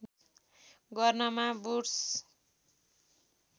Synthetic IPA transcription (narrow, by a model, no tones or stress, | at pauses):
ɡʌrnʌmaburs